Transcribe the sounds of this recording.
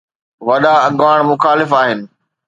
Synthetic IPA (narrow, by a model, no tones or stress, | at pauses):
ʋɐɗaɐɠʋaːɽ̃mʊxaːlɪfaːɦɪnɪ̆